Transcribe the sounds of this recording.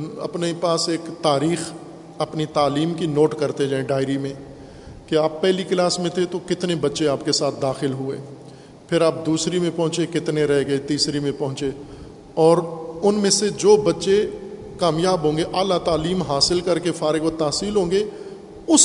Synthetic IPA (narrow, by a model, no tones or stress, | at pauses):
ɐ̰pnepaːseːkt̪aːɾiːx | ɐpnit̪aːliːmkinoːʈkɐɾt̪ed͡ʒaːẽɖaːɪɾimẽ | kiaːpːɛɦliklaːsmẽt̪ʰet̪okɪt̪nebɐtːʃeaːpkesaːt̪̚ʰd̪aːxɪlɦʊḛː | pʰɪɾaːp̚d̪uːsɾimẽpɐ̃ɦʊ̃t͡ʃekɪt̪neɾɛɦɡɐet̪iːsɾimẽpɐɦʊ̃t͡ʃe | ɔːɾʊnmẽsed͡ʒoːbɐtːʃe | kaːmjaːbɦõːŋɡeʔaːlat̪aːliːmɦaːsɪlkɐɾkefaːɾɪɡot̪aːsiːlɦõːŋɡe | ʊs